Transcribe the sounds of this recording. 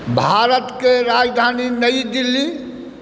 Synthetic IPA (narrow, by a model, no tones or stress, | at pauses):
bʱaːɾət̪keɾaːd͡ʒd̪ʱaːninəid̪ilːi